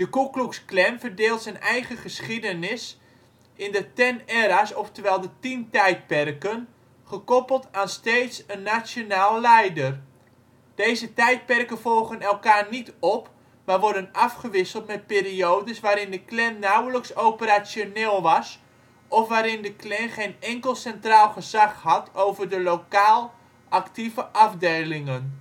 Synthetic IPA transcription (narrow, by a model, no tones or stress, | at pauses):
d̥əkukluksklɛmvərdɪːlˠtsɛnɛjχəχəsχidənɪs | ɪndətɛnɛɾasɔftəʋɛlˠdətintɛjt̚pɛrkən | χəkɔpəl̩ˠtaːnsteːtsənːasjonaːlˠːɛjdər | d̥ejzətɛjt̚pɛrkəvɔlˠɣənɛlˠkaːrnitɔp | maːrʋɔɹdənɑfχəʋɪsəlˠtmɛt̚peːriowdəsʋaːɾɪndəklɛnnawləksowpəɾasjoneːlˠʋɑs | ʔɔfʋaːɾɪndəklɛnχejnɛŋkəlˠsɛntraːlˠχəzɑχhɑtʰowvərdəlowkaːlˠ | ʔɑktivəʔɑvdejlɪŋən